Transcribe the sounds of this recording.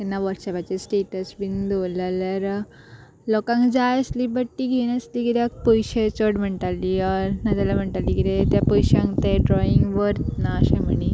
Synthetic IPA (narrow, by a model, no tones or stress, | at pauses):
k̪ɛnːaʋəɾʈsepat͡ɕesʈeʈəsʋind̪olaljaɾ | lɔkãŋkd͡zajəsliːbəʈːiɡʱenəsliːɡit̪jak̚pɔjɕet͡soɽm̤əɳt̪alːiɔɾnad͡zalam̤əɳʈalːiɡit̪et̪japɔjɕãŋɡt̪eɖɾɔiŋɡʋəɾnaəɕẽm̤əɳi